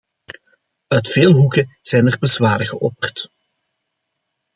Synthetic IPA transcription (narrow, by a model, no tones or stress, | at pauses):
œɥtfeːlˠɦukəz̥ɛjnərbəzwaːɾəɣəʔɔpərt